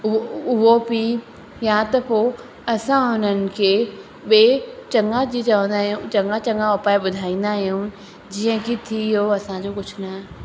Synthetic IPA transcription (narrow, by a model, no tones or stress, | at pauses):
ʊʊɦopi | jat̪ɐpoː | ɐsãɦʊn̤ənɪ̆kʰeː | ɓet͡ɕɐ̃ŋɡãd͡ʑiːt͡ɕɐʋə̃nd̪aːɦijũt͡ɕɐ̃ŋɡãt͡ɕɐ̃ŋɡãʋɐpaːeɓʊd̪ʱaːĩːn̆d̪aɦijũ | d͡ʑiːə̃kit̪ʰiɦoɐsãd͡ʑoːkʊd͡ʑʰʊ̆nɐ